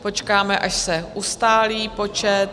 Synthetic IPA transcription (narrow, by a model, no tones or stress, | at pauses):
po̞t͡ʃkaːmɛʔaʃsɛʔust̪aːliːpo̞t͡ʃɛt̪̚